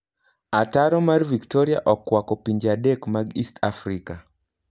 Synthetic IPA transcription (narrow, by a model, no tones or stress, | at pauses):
ataɾɔmarviktɔɾiaʔɔkːwakɔpiɲd͡ʒadekmaɡistafɾika